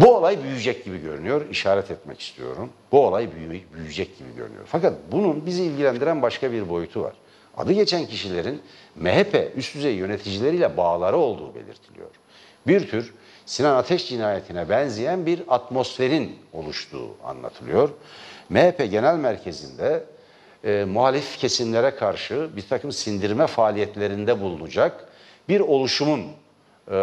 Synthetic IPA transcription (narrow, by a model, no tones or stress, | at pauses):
buolˠajbyjyd͡ʒɛc̚ɟibiɟø̞̰ɾynyjo̞ɾiʃaːɾɛt̪ʰɛt̪mɛ̰ci̥st̪ʰḭjo̞̰ɾunbuolˠajbyjbyjyd͡ʒɛc̚ɟibḭɟøɾy̰ny̰jo̰ɾfakat̪̚bununbiziːlʲɟilʲænd̪iɾænbaʃkabiɾbo̞jut̪ʰuva̰ɾ̥ | a̰d̪ɯɟe̞t͡ʃʰæncʰiʃilʲe̞ɾinmeɦepʰɛ̰ʔyst̪ʰyzejijø̞net̪ʰid͡ʒilʲe̞ɾiːlʲɛbaːlˠaɾɯo̞lˠd̪uːbe̞̰lʲḭɾt̪ʰilʲḭjo̞̰ɾ̥ | biɾt̪ʰyɾ | sinanat̪ʰɛʃd͡ʒinaːjet̪ʰinɛbɛnzijænbiɾat̪mo̞sfe̞ɾino̞lˠuʃt̪ʰṵːa̰nlˠa̰t̪ʰɯlˠɯjo̞ɾmehepʰɛɟe̞nælʲmæɾcʰe̞zind̪ɛ | muɦaːlʲifcʰe̞simlʲeɾɛkʰaɾʃɯbiɾt̪ʰakʰɯmsind̪iɾmɛfaːlʲijɛt̪lʲe̞ɾind̪ɛbulˠunud͡ʒak | biɾo̞lˠuʃumun